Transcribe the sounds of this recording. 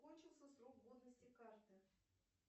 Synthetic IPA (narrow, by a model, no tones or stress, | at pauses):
ko̞nʲt͡ɕɪlˠsʲəsrokɡod̪nəsʲtʲɪkart̪ɨ